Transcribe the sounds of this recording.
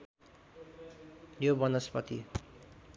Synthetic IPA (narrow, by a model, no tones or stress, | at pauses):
jobʌnʌspʌt̪ḭ